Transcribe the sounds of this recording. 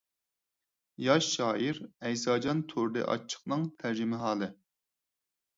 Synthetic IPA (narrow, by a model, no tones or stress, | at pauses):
jɑʃːɑːʔiɾɛjsɑːd͡ʒɑnt̪ʰoɾd̪ɨ̰ʔɑ̰t͡ʃʰːə̥χnɨŋt̪ʰæɾd͡ʒimɪɦɑːlˠɨ